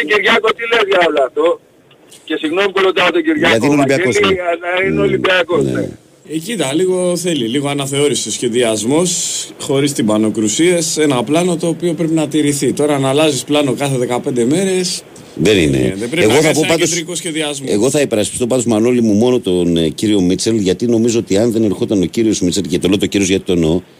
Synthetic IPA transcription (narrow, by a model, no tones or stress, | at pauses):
ciɾʝɐkot̪ile̞zʝɐolɐɐft̪o̞ | ce̞siɣno̞mipulot̪ɐot̪oɟiɾʝɐlɐt̪inolibiakozlɐinolibiɐko̞z̰ne | ecit̪ɐliɣo̞θe̞liliɣo̞ɐnɐθe̞o̞ɾisisçe̞ðiɐzmo̞sxo̞ɾist̪ibɐno̞kɾusiese̞nɐplɐno̞t̪o̞ːpio̞pɾe̞pinɐt̪iɾiθit̪o̞ɾɐːnɐlɐzisplɐno̞kɐθe̞ðe̞kɐpend̪e̞me̞ɾe̞s | ðenḭnḛðebɾeeɣoθɐpopɐt̪oɾikosçe̞ðiɐzmeɣo̞θɐipe̞ɾɐspi̥st̪o̞pɐt̪omɐnolimumo̞no̞t̪onciɾio̞mit͡selʝɐt̪ino̞mizoot̪iɐnðe̞ne̞ɾxot̪ɐno̞ciɾio̞zmit͡selcet̪olot̪ociɾio̞zʝɐt̪i̥t̪o̞no